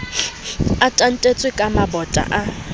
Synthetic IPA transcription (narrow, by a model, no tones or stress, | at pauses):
atʼan̩tʼet͡sʼɪkʼamabɔtʼa̰ʔa